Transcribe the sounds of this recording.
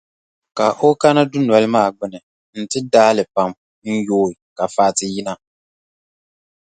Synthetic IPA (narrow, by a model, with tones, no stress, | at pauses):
ka˨ʔo˦ka˦na˦dʊ˦n˨a˨lɨ˦maː˦˨ɡ͡bɪ˦nɨ˨ | n̩˦tɨ˦daː˦lɨ˨pa˨m | n̩˦joː˦ɪ˨ka˨faː˦˨tɪ˨ji˦na˦